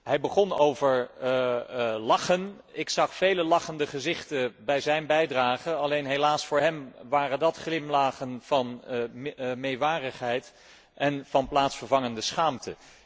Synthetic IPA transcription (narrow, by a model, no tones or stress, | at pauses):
ɦɛjbəχɔnowvəɹ | lɑχən | ɪksɑχfejləlɑχəndəχəzɪχtəbɛjzɛjnbɛjdraːχəɑlejnɦejlaːsfʊːɹɦɛmʋaːrəndɑtχlɪmlaːχənv̥ɑn | mejʋaːrəχɦɛjt | ʔɛnv̥ɑnplaːtsfəɹvɑŋəndəsχaːmtə